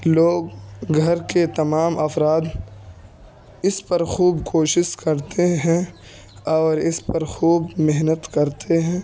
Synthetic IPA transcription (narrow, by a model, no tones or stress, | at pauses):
loːɡɡʱɐɾket̪ɐmaːmɐfɾaːd̪ | ɪspɐɾxuːbkʰoːʃɪʃkɐɾt̪ʰeɦɛ̃ | ɔːɾɪspɐɾxuːbmeɦnət̪kɐɾt̪ʰeɦɛ̃ː